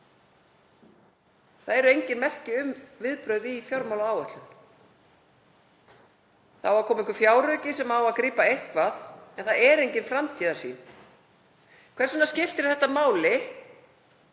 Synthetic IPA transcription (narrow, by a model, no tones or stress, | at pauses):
θaðɛɾʏejɲcɪnmɛr̥cɪʏmvɪðpɾœɥðifjɔɾmawlaaːwœht̪lʏn | θawvaɾkʰɔːmɪŋkʏ̥fjaːwrœcɪsɛmawaðkɾiːpaejht̪kvaðɛnθaðɛɾejɲcɪnfɾamt̪ʰiːðaɾ̥sḭn | kʰvɛɾ̥sʏnascɪft̪ɪɾ̥θɛht̪ːamaːwlɪ